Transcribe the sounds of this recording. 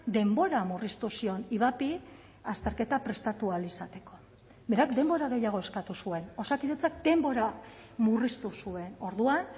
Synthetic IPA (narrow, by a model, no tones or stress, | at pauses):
d̪e̞mbo̞ɾamurist̪usio̞niβapi | ast̪e̞ɾke̞t̪apɾe̞st̪at̪ualisat̪e̞ko̞ | be̞ɾakd̪e̞mbo̞ɾaɣe̞jaɣ̞o̞e̞skat̪usue̞no̞sakiðet͡sak̚d̪e̞mbo̞ɾa | murist̪usue̞no̞ɾðuan